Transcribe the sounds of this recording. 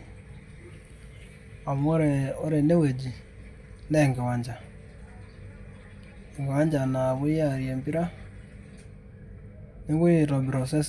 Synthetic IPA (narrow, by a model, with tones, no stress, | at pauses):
a˨m˦ɔ˦ɾɛ˨ɔ˦ɾe˨ne˦we˨d͡ʒi˨ | nɛ˦˨ŋɡɛ˨wa˨ɲd͡ʒa˨ | ɛ˨ŋɡɛ˨wa˦ɲd͡ʒa˨na˨βu˦ja˨ɾjɛ˨mbi˦ɾa˦ | ni˦ɡu˦ji˦˨ɾɔ˨bi˨ɾɔ˨sɛ˦s